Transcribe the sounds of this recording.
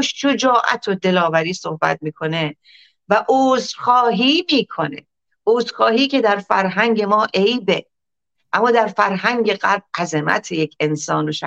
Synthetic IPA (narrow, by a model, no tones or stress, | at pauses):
ʃʃod͡ʒɒːʔæ̰t̪ʰod̪e̞lɒːvæɾiːsohbæ̰t̪̚miːkʰo̞ne | væʔoːzxɒːɦiːmiːkʰo̞ne̞̰ | uːzxɒːhiːcʰe̞d̪æɾfæɾɦæŋɟe̞mɒːʔe̞jbe̞ | ʔæmːɒːd̪æɾfæɾɦæŋɟe̞ɣæɾb̚ʔæzemæ̰t̪ʰejecʰe̞nsɒːnroʃæ